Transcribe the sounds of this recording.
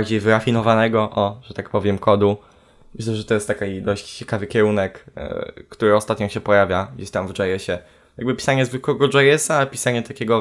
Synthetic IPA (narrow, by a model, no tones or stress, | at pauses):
ɾd͡ʑejvɘɾafʲinɔvanɛɡɔʔɔʐ̥ɛt̪ak̚pɔvʲjɛmkʰɔd̪u | mɘɕlɛʐɛt̪ɔjɛst̪ːakad̪ɔɕt͡ɕt͡ɕɛkavɘkʲɛɾunɛkː | t̪uɾɘɔst̪at̪ɲɔ̃ɕɛpɔjavʲjaɡd͡ʑeɕt̪amvd͡ʐɛjɛɕɛ | jaɡ̚bɘpʲi̥saɲɛzvɘkwɛɡɔd͡ʐɛjɛsapʲisaɲɛt̪akʲeɡɔ